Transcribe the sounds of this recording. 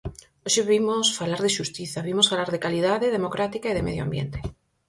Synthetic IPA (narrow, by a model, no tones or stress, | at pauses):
oʃeβimosfalaɾðeʃust̪iθaβimosfalaɾðekaliðaðeðemokɾat̪ikaiðemeðjoa̰mbjḛnt̪e